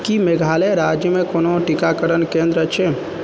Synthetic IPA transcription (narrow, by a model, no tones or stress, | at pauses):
kimeɡʱaleɾad͡ʒjəmekonoʈikakəɾənkẽnd̪ɾət͡ʃʰɛ